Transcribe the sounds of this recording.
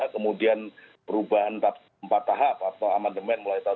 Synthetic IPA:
kəmudian | pəɾubaɦanta | mpat̪ːaɦap̚at̪awamandəmɛnmulajit̪a

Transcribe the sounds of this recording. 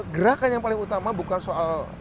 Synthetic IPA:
ɡəɾakanjaŋpalɪŋut̪amabukansoal

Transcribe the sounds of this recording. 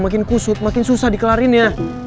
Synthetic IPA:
makɪnkusʊt̪̚makɪnsusahdikəlaɾinja

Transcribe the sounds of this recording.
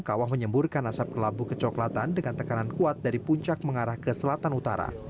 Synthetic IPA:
kawahməɲəmburkanasap̚kəlabukət͡ʃɔklat̪andəŋant̪əkanankuat̪̚daɾipuɲt͡ʃak̚məŋaɾahkəsəlat̪anut̪a̰ɾa̰

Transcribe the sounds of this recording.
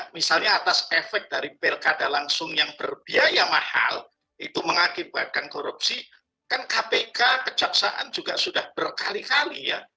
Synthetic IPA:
misalɲaːt̪asefɛk̚daɾipelkadalaŋsʊŋjaŋb̥ərbiajamaha̰l | ʔit̪uməŋakibat̪̚kankoɾup̚si | kankapekakəd͡ʒaksa̰ʔa̰nd͡ʒuɡaʔsudahbərkalikalija̰

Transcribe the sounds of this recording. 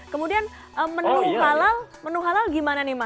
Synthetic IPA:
kəmudian | ʔəmənuɦalalmənuɦalalɡimananɪma

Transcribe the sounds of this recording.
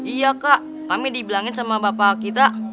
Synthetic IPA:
ijakaʔ | kamidibilaŋɪnsamabapakit̪a

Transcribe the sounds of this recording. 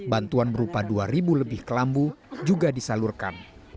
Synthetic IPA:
bant̪uanbəɾupaduaɾibuləbɪhkəlambud͡ʒuɡadisalurkan

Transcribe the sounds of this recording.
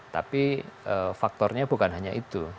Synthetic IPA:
t̪a̰piəfak̚t̪ɔrɲab̥ukanɦaɲaʔit̪u

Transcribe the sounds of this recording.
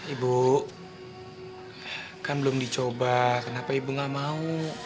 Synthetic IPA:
ibu | kanbəlʊmdit͡ʃobakənapaibuŋaʔmau

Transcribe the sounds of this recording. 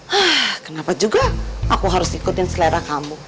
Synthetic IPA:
akənapad͡ʒuɡaakuɦaɾʊsikʊt̪ɪnsəlɛɾakamu

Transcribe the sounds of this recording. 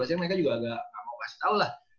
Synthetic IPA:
asɲaməɾekad͡ʒuɡaːɡaʔamaasallah

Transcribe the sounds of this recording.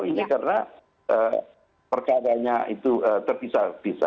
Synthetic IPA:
inikaɾəna | ʔəː | pərkaɾaɲait̪uət̪ərbisab̥isa̰

